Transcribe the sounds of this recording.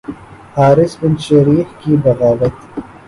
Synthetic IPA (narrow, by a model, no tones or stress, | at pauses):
haːɾɪsbɪnʃɐɾiːxkibɐɣaːwɐt̪